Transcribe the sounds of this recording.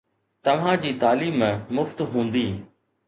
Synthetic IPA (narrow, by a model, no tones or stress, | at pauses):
t̪ɐʋ̤ãd͡ʑiːt̪aːliːmɛ̃mʊft̪ɦũːn̆d̪iː